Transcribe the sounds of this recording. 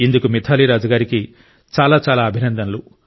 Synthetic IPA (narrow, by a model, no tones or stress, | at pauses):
ind̪ukumit̪ʰaːliɾaːd͡ʒɐɡaːɾiki | t͡ʃaːlaːt͡ʃaːlaːɐbʱinɐnd̪ɐnɐlu